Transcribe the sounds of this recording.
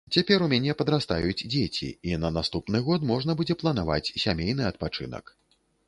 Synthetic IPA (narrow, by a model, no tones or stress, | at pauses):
t͡sʲapʲɛɾumʲanʲɛpɐd̪ɾast̪ajud͡zʲd͡zʲet͡sʲḭinɐnast̪upnɨɣɔt̪mɔʐnɐbud͡zʲɛplˠɐnava̰t͡sʲsʲamʲejn̪ɨɐt̪̚pat͡ʂɨ̰nɐ̰k